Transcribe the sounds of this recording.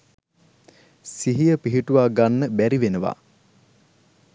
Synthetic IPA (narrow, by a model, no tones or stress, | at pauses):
siɦijəpiɦiʈuʋaːɡanːəbæɾiʋenəʋa̰